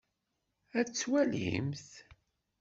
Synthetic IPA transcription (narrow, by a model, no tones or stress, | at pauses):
æt͡sːwælḭmθ